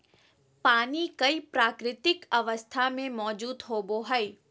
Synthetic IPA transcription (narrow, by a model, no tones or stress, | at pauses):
paːnikɐipɾaːkɾɪt̪ɪkɐʋəst̪ʰamẽmɔːd͡ʑuːd̪ɦoːboɦɐeː